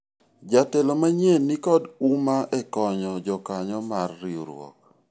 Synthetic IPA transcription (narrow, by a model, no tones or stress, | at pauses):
d͡ʒatɛlomaɲenikɔdumaʔɛkɔɲɔd͡ʒɔkaɲɔmarːioɾw̰ɔ̰k̚